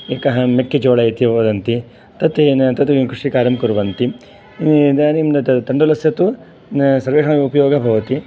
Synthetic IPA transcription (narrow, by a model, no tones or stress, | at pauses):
eːkɐɦɐmekːed͡ʒoːɭɐjt̪jɐʋoːd̪ɐnt̪i | t̪ɐt̪ent̪ɐt̪imkɾuʂikaːɾɐmkuɾʋɐnt̪i | d̪aːnimɐt̪t̪ɐɳɖɐlɐsjɐt̪u | sɐɾʋeːʂɐmiupɐjoːɡɐbʱɐʋɐt̪i